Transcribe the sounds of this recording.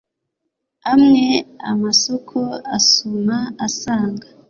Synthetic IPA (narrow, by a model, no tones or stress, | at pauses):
amŋe̞a̰masokʰoasumaasaːŋɡa